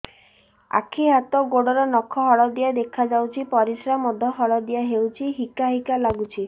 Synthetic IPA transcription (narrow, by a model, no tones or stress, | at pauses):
a̰kʰiɦat̪ɔɡoɽɔɾɔnɔkʰɔɦɔɭɔd̪ijad̪ekʰad͡ʒawt͡ʃʰipɔɾisɾamɔd̪ʱɔɦɔɭɔd̪ijaɦewt͡ʃʰiɦikaɦikalaɡut͡ʃʰi